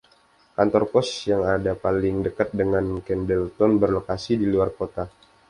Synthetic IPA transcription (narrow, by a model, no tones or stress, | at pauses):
kant̪ɔrpɔsjaŋadapalɪŋdəkat̪̚dəŋankɛndɛlt̪ɔnbərlokasidiluarkot̪a